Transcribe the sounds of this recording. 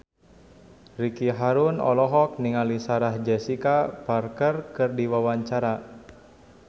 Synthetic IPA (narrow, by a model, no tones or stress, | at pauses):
rikiɦaɾunɔ̰lɔɦɔk̚niŋalisaɾahd͡ʒɛsikaparkərkɨrdiwawaɲt͡ʃaɾa